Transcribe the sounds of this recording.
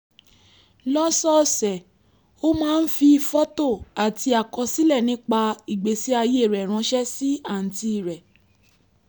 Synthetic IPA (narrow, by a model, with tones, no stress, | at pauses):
lɔ˦sɔ˦sɛ˨ | o˦mãː˦˧n̩˦fi˧fɔ˦to˦˨a˨ti˧a˨kɔ˧si˦lɛ˦˨nĩ˦k͡pa˧i˨ɡ͡be˨˦si˦a˧je˦˨ɾɛ˨ɾ̃ã˧˦ʃɛ˦si˦a˦˨n̩˨ti˧i˨ɾɛ˨